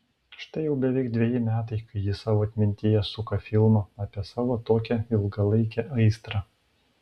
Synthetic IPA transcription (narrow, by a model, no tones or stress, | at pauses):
ʃt̪ɐɪjɛʊbʲɛʋʲɛɪkd̪ʲʋʲɛjɪmʲæːt̪̬ɐɪkɐɪjɪsɑːʋoːɐt̪ʲmʲɪnʲt̪ʲɪjɛsʊkɐfʲɪlˠmoːɑːpʲiɛsɑːʋoːt̪oːkʲɛɪlˠɡɐlˠɐɪkʲɛʔɐɪst̪ɾɑ